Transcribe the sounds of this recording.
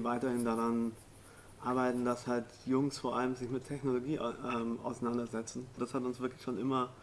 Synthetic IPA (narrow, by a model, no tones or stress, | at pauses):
vaɪtɐhɪndaʁan | ʔaɐbaɪtn̩dashalt | jʊŋsfoːɐʔaləmzɪçmɪtʰːɛçnoloɡḭːʔɛːmʔa̰ʊsanandɐzɛt͡sn̩d̥ashatʊnsv̥ɪɐklɪçʃoːnʔɪmɐ